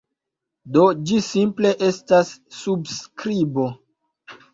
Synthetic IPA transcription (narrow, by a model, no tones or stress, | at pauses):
do̞d͡ʒisimple̞ʔestasːubskɾibo̞